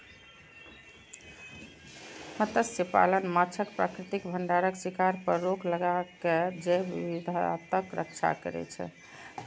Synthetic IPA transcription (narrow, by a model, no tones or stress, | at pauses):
mət̪əsipa̰lənmat͡ʃʰəkpɾakɾit̪ikbʱəɳɖaɾəksikaɾpəɾːokləɡaked͡ʒebibid̪ʱat̪əkɾə̰kt͡ʃʰa̰kə̰ɾɛ̰t͡ʃʰɛ̰